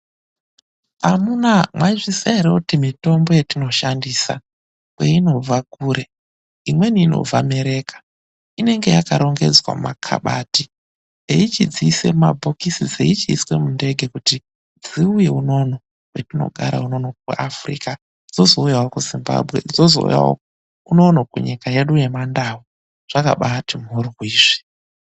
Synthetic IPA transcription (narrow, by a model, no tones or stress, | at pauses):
amunamwaiʐisaɾeutimito̞mbo̞je̞tino̞ʃandiːsa̰ | weino̞vakuːɾe̞ | imwe̞niːno̞̰vame̞ɾe̞ːkḁ | ine̞ŋɡe̞jakaɾo̞ŋɡe̞̰d͡zwa̰makʰa̰ɓaːti | eit͡ʃid͡ziise̞mabʱokisid͡zḛit͡ʃiiswe̞munde̞ɡʱe̞kuti | d͡ziuje̞uno̞no̞ | wetino̞̰ɡʱaɾa̰unonok̚uafrḭːka | d͡zo̞zo̞ujawokuzimba̰bʱɣe̞̰d͡zozo̰ṵja̰o̰ | uno̞nokuɲikaje̞ɗuje̞mandawu | ʐ̥aka̰ɓatimurwwiːʐi̥